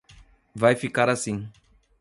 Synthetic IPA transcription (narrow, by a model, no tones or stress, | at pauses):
vajfikaɾasĩ